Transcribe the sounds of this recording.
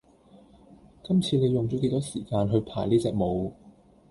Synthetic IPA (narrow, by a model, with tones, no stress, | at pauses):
kɐ˥mt͡sʰiː˧ne˨˧jʊ˨ŋt͡ɕɔː˨˥ke˧˥jt̪ɔː˥siː˨˩kaː˧nɦɵ˧ɥpʰaː˨˩jniː˥t͡sɛː˨k̚mo˨˧w